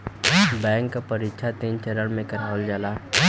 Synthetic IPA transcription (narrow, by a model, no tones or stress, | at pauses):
bɛ̃ːŋkːapəɾikʃʰat̪iːnt͡ʃɛɾəɾmẽkəɾaːəld͡ʒaːlaː